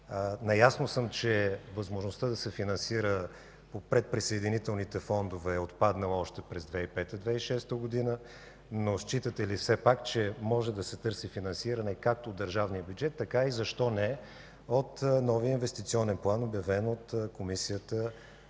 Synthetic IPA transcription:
nɐjasnosəmt͡ʃɛvəzmoʒnost̪əd̪ɐsɛfinɐnsiɾə | popɾɛt̪̚pɾisɐɛd̪init̪ɛlˠnit̪ɛfɔnd̪ovɛːot̪pad̪nəlˠɔʃt̪ɛpɾɛzd̪vɛipɛt̪əd̪vɛiʃɛst̪əɡod̪inə | noʃt͡ʃit̪ət̪ɛlifsɛpakt͡ʃɛmɔʒɛd̪ɐsɛt̪ɤɾsifinɐnsiɾɐnɛkak̚t̪oːd̪ːəɾʒavnijəbjud͡ʒɛt̪ːɐkaizɐʃt̪ɔnɛ | ot̪nɔviəinvɛst̪it̪siɔnɛnplˠanobjɐvɛnot̪komisijət̪ə

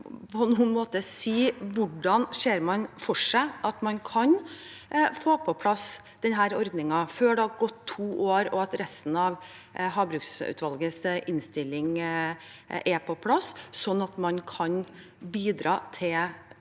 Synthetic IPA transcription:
pʰɔnuːənmoːt̪əsiːʋʊɖɑnʂeːɾmɑnfɔʂæɪʔɑt̪mɑnkʰɑn | foːpʰɔpʰlɑs | d̪̥ɛnɦæːɾɔɾd̪nɪŋɑføːɖɛɑɡɔt̪ʰːuːʔoːɾɔ̰ɑt̪ɾɛst̪n̩ɑʋ | ɦɑːbɾʉːksʉ̰t̪ʋɑlɡəsʔɪnst̪ɪlːɪŋ | ʔɛpʰɔpʰlɑsːɔnːɑt̪mɑnkʰɑn | biːd̪ɾɑːt̪ʰɪl

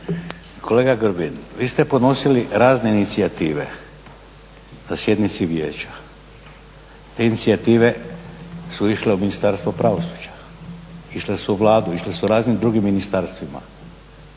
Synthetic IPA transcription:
kʰo̞le̞ɡaɡɾbinʋiːst̪e̞pod̪no̞siliɾaːzne̞init̪siat̪iːʋe̞̰ | nasje̞d̪nit̪siʋje̞ːt͡ɕḁ | t̪einit̪siat̪iːʋe̞ | suiʃleuminist̪aɾst̪ʋopɾaʋo̞su̥d͡ʑḁ | iʃlesuʋlaːd̪uiʃlesuɾaːznimd̪ɾuɡimːinist̪aɾst̪ʋima̰

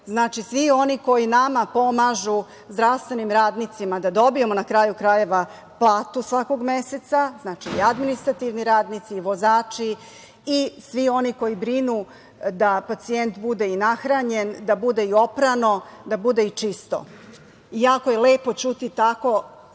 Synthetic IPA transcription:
znaːt͡ʃisʋio̞niko̞jinamapo̞maʒu | zd̪ɾaʋst̪ʋenimɾaːd̪nit̪simad̪ad̪o̞bije̞monakɾajukɾaje̞ʋa | plˠaːt̪usʋako̞ɡmeset̪saznaːt͡ʃiːad̪minist̪ɾat̪iʋniɾaːd̪nit̪siːʋo̞zaːt͡ʃi | isʋio̞niko̞jibɾinu | d̪apat̪sient̪bud̪einaxɾaɲe̞nd̪abud̪e̞io̞pɾano̞d̪abud̪e̞it͡ʂist̪o̰ | ijakojeleːpo̞t͡ɕut̪it̪ako̞

